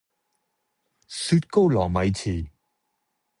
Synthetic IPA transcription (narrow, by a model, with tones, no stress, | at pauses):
syː˧t̚ko˥wlɔː˨˩ŋmɐ˨˧jt͡sʰiː˨˩